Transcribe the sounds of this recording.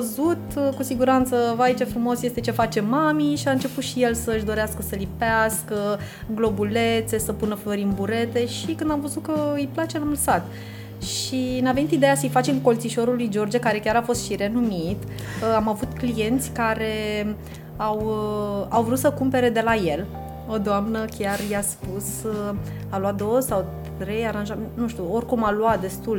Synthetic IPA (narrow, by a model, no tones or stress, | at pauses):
əzut̪kusiɡuɾant̪səvait͡ʃefɾumo̞sje̞st̪e̞t͡ʃe̞fat͡ʃe̞mamiʃiaɨnt͡ʃe̞put̪ʃijelsəɨʃd̪o̞ɾeaskəsəlipeaskə | ɡlo̞bulet̪se̞səpunəfloɾiɨnbuɾe̞t̪e̞ʃikɨnd̪amvəzut̪kəɨjplat͡ʃe̞lamləsat̪ | ʃineave̞nit̪id̪e̞jasəjfat͡ʃeŋko̞lt̪siʃo̞ɾulujd͡ʒo̞rd͡ʒekaɾe̞kʲaɾafo̞st̪ʃiɾe̞numit̪ | amavut̪klije̞nt̪sʲkaɾe̞ | aw | awvɾut̪səkumpe̞ɾe̞d̪e̞laje̞l | o̞d̪oamnəkʲjarjaspus | aluat̪̚d̪owəsawt̪ɾe̞jaɾanʒamennuʃt̪ʲuo̞rʲkumaluat̪̚d̪e̞st̪ul